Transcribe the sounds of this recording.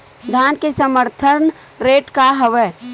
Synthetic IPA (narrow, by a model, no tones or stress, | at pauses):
d̪ʱaːnkesəməɾt̪ʰəɾn | ɾeːʈkaɦəʋəː